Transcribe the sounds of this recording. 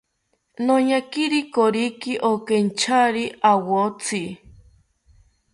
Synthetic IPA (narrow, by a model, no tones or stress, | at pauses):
noɲakiɾikoɾikiʔokent͡ʃʰaɾiʔawot͡sʰi